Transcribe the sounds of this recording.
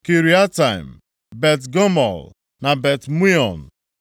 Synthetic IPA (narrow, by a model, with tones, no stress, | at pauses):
ki˨ɾi˨˦a˦ta˨ɪ˨m | be˨tɡo˦mɔ̰˨l | na˨be˨tmi˦ɔ˨n˨